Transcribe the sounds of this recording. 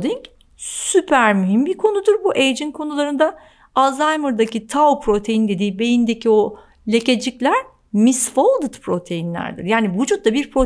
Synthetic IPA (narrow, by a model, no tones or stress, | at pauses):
d̪iɲc | sypʰæɾmyɦimbiɾkʰo̞nud̪uɾbuʔejd͡ʒinkʰo̞nulˠaɾɯnd̪a | azajmɯɾd̪acit̪ʰawpʰɾo̞t̪ʰe̞jind̪e̞d̪iːbe̞jind̪ecʰio̞ | lʲe̞ce̞d͡ʒiclʲæɾ̥ | misfolˠd̪ɯt̪pʰɾo̞t̪ʰe̞jinlʲæ̰ɾd̪ḭɾjaːnivud͡ʒut̪̚lˠabiɾpʰɾo